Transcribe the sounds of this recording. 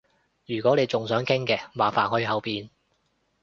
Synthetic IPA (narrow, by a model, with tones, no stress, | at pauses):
jyː˨˩kʷɔː˨˥ne˨˧jt͡sʊ˨ŋsœː˨˥ŋkʰɪ˥ŋkɛː˧maː˨faː˨nhɔː˨˧˥jiː˧hɐ˨˧wpiː˨n